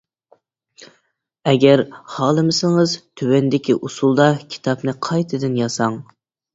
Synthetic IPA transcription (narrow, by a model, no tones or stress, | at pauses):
ɛɡʲæɾhɑːlˠɨmɪsɪŋɨzt̪ʰywɛnd̪ɪkʲiʔusulˠd̪ɑkʲʰi̥t̪ʰɑpnɨqʰɑjt̪ʰɨd̪ɨnjɑsɑŋ